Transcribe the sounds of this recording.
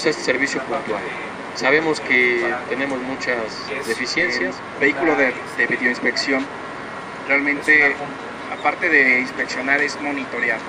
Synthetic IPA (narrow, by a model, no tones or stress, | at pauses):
sest̪seɾβisjopunt̪wal | saβ̞e̞mosket̪e̞nẽ̞mozmut͡ʃazðe̞fisje̞nsjas | beikuloðe | ðeβiðo̞inspe̞ksjo̞n | realmẽnt̪e̞ | apaɾt̪e̞ðe̞inspe̞ksjo̞naɾe̞zmo̞nit̪oɾjal